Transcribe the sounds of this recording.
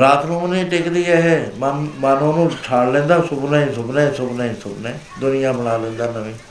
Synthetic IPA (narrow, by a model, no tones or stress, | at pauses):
ɾaːt̪nũːneĩːʈekd̪iːɛːɦɛːmmaːnoːnũːʈʰaːɽlɛ̃ːnd̪aːsʊbnãːĩːsʊbnɛ̃ːsʊbnaːĩːsʊbnɛ̃ː | d̪ʊnɪjãːbəɽ̃aːlẽːnd̪aːnəʋẽː